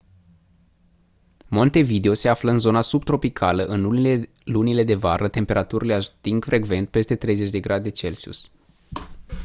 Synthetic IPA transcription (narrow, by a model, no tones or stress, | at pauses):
mo̞nt̪e̞vid̪eo̞se̞afləɨnzo̞nasub̚t̪ɾo̞pikʰaləʔɨn | lunile̞d̪e̞vaɾʔət̪e̞mpe̞ɾʔat̪uɾileat̪iŋɡfɾʔe̞ɡve̞nt̪̚pe̞st̪e̞t̪ɾe̞jze̞t͡ʃʲd̪e̞ɡɾad̪eet͡ʃe̞lsiṵs